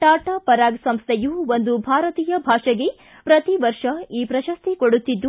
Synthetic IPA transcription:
ʈaːʈaːpɐɾaːɡsɐmst̪ʰejuond̪ubʱaːɾɐt̪iːjɐbʱaːʂɐɡe | pɾɐt̪iʋɐɾʂɐiːpɾɐʃɐst̪ʰikoɽut̪ːid̪ːu

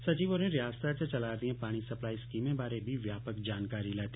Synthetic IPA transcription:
sɐt͡ʃiːʋoːɾẽɾjaːst̪ʰat͡ʃet͡ʃɐlaːd̪iẽpaːɽ̃isɐplaːiskiːmẽbaːɾebʱiʋjaːpəkd͡ʒaːnkaːɾilɛːt̪i

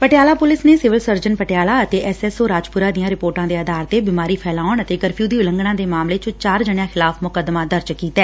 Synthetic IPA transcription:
pəʈejaːlaːpʊlɪsneːsɪʋəlsəɾd͡ʒənpəʈɪjaːlaːət̪eːʔɛsɛːsoːɾaːd͡ʒpʊɾaːd̪ɪjãːɾɪpoːɾʈãːd̪eːəd̪aːɾt̪eːbiːmaːɾiːpʰɛːlaːʊɳət̪eːɡəɾpʰjuːd̪iːʊlə̃ŋɡɳãːd̪eːmaːmleːt͡ʃʊ̃t͡ʃaːɾd͡ʒəɳjãːxʰɪlaːfmʊkəd̪maːd̪əɾd͡ʒkiːt̪ɛː

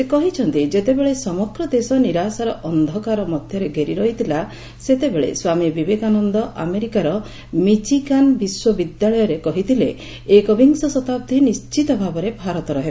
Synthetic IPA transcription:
sekɔɦit͡ʃʰɔnt̪id͡ʒet̪ebeɭesɔmɔɡɾɔd̪esɔniɾasaɾɔʔɔnd̪ʱɔkaɾɔmɔd̪ʱjɔɾeɡʱeɾiɾɔɦit̪ʰila | set̪ebeɭḛswamibibekanɔnd̪ɔʔa̰meɾikaɾɔ | mit͡ʃikanbiswɔbid̪jaɭɔjɔɾekɔɦit̪ʰileː | kɔbʱiŋsɔsɔt̪ap̚d̪ʱinist͡ʃit̪ɔbʱabɔɾebʱaɾɔt̪ɔɾɔɦe

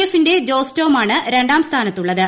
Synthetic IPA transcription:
efːinde̞d͡ʑo̞ːsto̞ːmaːɳɨɾe̞ɳɖaːmst̪ʰaːnɐt̪ːuɭːɐðɨ

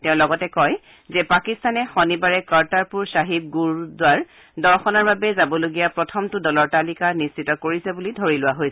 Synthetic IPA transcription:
tɛʊ̃lɔɡɔtɛkɔj | zɛpakistanɛxɔnibaɹɛkaɹtaɹpuɹsaɦib̚ɡuɹdʊaɹ | dɔɹxɔnaɹbabɛzabɔloɡijapɹɔtʰɔmtʊdɔlɔɹtalikanistitɔkoɹisɛbulidʱoɹilʊwaɦojsɛ

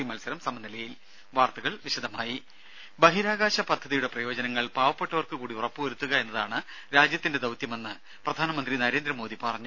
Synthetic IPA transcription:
imɐlsɐɾɐmsɐmɐnːilɐjil | ʋaːrt̪ɐɣɐɭʋiɕɐd̪ʱɐmaːji | bɐɦiɾaːɡaːɕɐpɐd̪ʱːɐðijuɽe̞prɐjo̞ːd͡ʑɐnɐŋːɐɭpaːʋɐpːe̞ʈːɐʋɐrkɨkuːɽiurɐpːɨʋɐɾut̪ːuɣɐe̞nːɐðaːɳɨ | ɾaːd͡ʑjɐt̪ːinde̞d̪ɐwt̪jɐme̞nːɨ | prɐd̪ʱaːnɐmɐnd̪rinɐɾe̞ːnd̪ɾɐmo̞ːd̪ipɐrɐɲːu

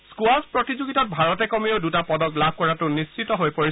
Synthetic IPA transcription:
skuaspɹɔtizoɡitɔt̚bʱaɹɔtɛkɔmioʊdutapɔdɔklab̚ʱkɔɹatʊnist͡ʃitɔɦojpoɹi

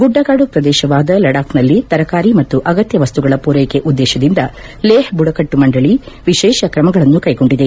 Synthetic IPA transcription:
ɡuɖːɐɡaːɽupɾɐd̪ɛːʃɐʋaːd̪ɐlɐɽaːknɐlːit̪ɐɾɐkaːɾimɐt̪ːuʔɐɡɐt̪jɐʋɐst̪uɡɐɭɐpuːɾejkeʔud̪ːɛːʃɐd̪ind̪ɐ | leːhbuɽɐkɐʈːumɐɳɖɐɭi | ʋiʃɛːʃɐkɾɐmɐɡɐɭɐnːukɐjɡo̞ɳɖid̪e

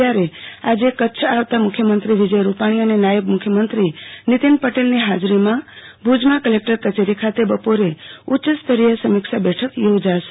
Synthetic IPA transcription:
aɾead͡ʒekətːt͡ʃʰaʋt̪amʊkʰjəmənt̪ɾiʋid͡ʒəjɾupaɽ̃iənenajəbmʊkʰjəmənt̪ɾinit̪inpəʈelniɦad͡ʒɾimãbʱud͡ʒmakəlek̚ʈəɾkət͡ʃeɾikʰat̪ebəpoɾeutːt͡ʃəst̪əɾijəsəmikʃabɛʈʰəkjod͡ʒaʃ

